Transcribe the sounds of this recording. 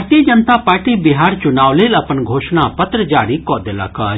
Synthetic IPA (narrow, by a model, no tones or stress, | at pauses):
ɾt̪iːəd͡ʒənt̪apaːɾʈibɪɦaːɾt͡ʃʊnaːʋlelɐpənɡʱoːʃnapɐt̪ɾəd͡ʒaːɾikɔːd̪eːla̰ːka